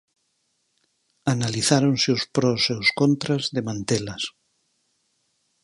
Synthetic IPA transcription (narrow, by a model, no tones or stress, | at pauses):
analiθaɾonseʊspɾɔseʊskont̪ɾazðemãnt̪elɐs